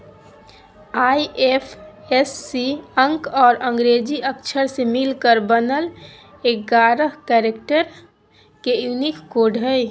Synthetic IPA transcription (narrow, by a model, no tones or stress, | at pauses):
aːiʔepʰesːiə̃ŋkɔːɾə̃ŋɡɾeːd͡ʒiəkʃʰəɾsemɪlkəɾbənəl | eːkɡaːɾəɦkɛːɾekʈəɾ | kejunikːoːɖʱəi